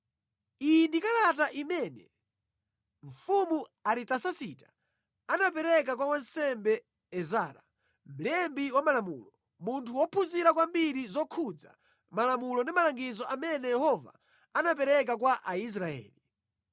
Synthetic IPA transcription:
indikalataʔimɛnɛ | ɱ̩fumuaɾitasasitḁ | anapɛɾɛk̬akwawansɛmbɛ | ɛzaːɾa | m̩lɛmbiwamalamuːlɔ | muntʰuwɔpʰuziɾakwambiɾizɔkʰud͡za̰ | malamulɔndimalaŋɡizɔamɛnɛjɛhɔva̰ | anap̬ɛɾɛk̬ak̬waʔais̬ɾaɛ̰ːli

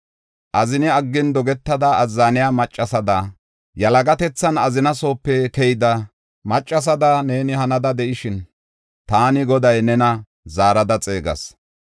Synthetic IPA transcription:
ʔɐzɪnɪɐɡːɪnd̪ɔɡɛt̪ːɐd̪ɐːzːaːnɪjaːmɐt͡ʃʼːɐsɐd̪ɐ | jɐlɐɡɐt̪ɛt͡sːɐnɐzɪnɐso̞ːpːɛkɛjd̪ɐ | mɐt͡ʃʼːɐs̬ɐd̪ɐne̞ːnɪhɐnɐd̪ɐd̪ɛʔɪʃɪn | t̪aːnɪɡɔd̪ɐjnɛnɐ | zaːɾɐd̪ɐt͡sʼe̞ːɡɐ̰s

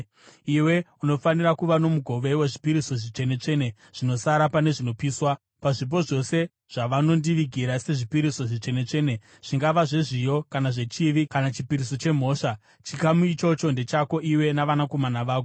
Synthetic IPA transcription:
iwe̞uno̞fanirakuʋano̞muɡʱo̞ʋe̞we̞ʐipiɾiso̞ʐit͡ʂe̞ne̞t͡ʂe̞ne̞ | ʐ̥ino̞saɾapane̞ʐino̞piːswa | paʐip̬o̞ʐo̞se̞ | ʐ̥aʋano̞ndiʋiɡʱiɾase̞ʐipiɾiso̞ʐit͡ʂe̞ne̞t͡ʂe̞ne̞ | ʐ̥iŋɡaʋaʐeʐijo̞kanaʐe̞t͡ʃiʋikanat͡ʃipiɾiso̞t͡ʃe̞m̤o̞ːʂa | t͡ʃikamuit͡ʃo̞t͡ʃo̞nde̞t͡ʃako̞ʔiwe̞naʋanako̞manaʋaːko

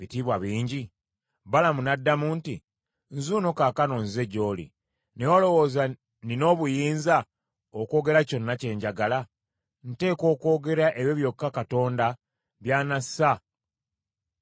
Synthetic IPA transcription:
βitiːβwaβiːɲɟi | balamunadːamuntḭ | nzunokaːkano̞ːnze̞ɟo̞ːlḭ | newolo̞wo̞ːza | nino̞ːβujiːnza | oko̞ːɡe̞ɾaco̞nːace̞ːɲɟaɡala | n̩te̞ːko̞ːko̞ːɡe̞ɾaʔeβjoβjo̞kːakato̞ːnda | βjaːnasa

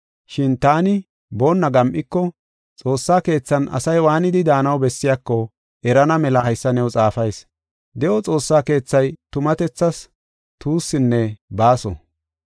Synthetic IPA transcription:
ʃɪnt̪aːnɪ | bo̞ːnːɐɡɐmʔɪkːɔ | t͡sʼo̞ːsːaːke̞ːt͡sːɐnʔɐ̰sɐjwaːnɪd̪ɪd̪aːnɐwbɛsːɪjakːɔ | ʔɛɾɐnɐmɛlɐɐjsːɐnɛwt͡sʼaːfɐjs | d̪ɛʔɔt͡sʼo̞ːsːaːke̞ːt͡sːɐjt̪ʊmɐt̪ɛt͡sːɐs | t̪uːsːɪnːɛbaːsɔ̰

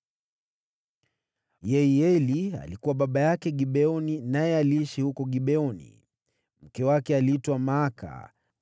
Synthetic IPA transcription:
jɛiɛlia̰likuwaɓaɓajakɛɠiɓɛɔninajɛaliiʃihukɔɠiɓɛɔnḭ | m̩kɛwakɛaliitwamaːka̰

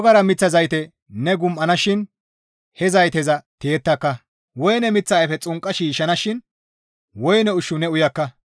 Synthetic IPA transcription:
ɡɐɾɐmɪt͡sːɐzɐjt̪ɛ | nɛɡʊmʔɐnɐʃɪn | hɛzɐjt̪ɛzɐt̪eːt̪ːɐkːɐ | wɔjnɛmɪt͡sːɐɛfɛt͡sʼʊŋkʼːɐʃiːʃɐnɐʃɪn | wɔjnɛʊʃːʊnɛʊjɐkːɐ

